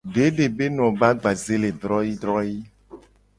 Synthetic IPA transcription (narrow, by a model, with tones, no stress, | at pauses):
ɖe˨˦ɖe˨be˦nɔ̃˨ba˦ɡ͡ba˨ze˦le˨d̪ɾɔ˦ji˦d̪ɾɔ˦ji˦